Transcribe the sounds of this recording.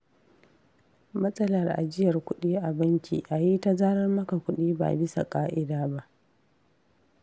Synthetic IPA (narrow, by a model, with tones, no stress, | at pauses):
mɐ˦sʼɐ˦lɐ˨rʔa̰˨d͡ʒɪ˦jɐ˨rkʷʊ˦ɗiː˦ʔa˨bɐ˦ŋkʲʰḭː˨ʔa˨ji˦ta˦zaː˦ɾɐ˦rmɐ˦ka˨kʷʊ˦ɗiː˦ba̰˨bɪ˦sa̰˨kʼaː˦ʔɪ˦daː˦ba˦ʔ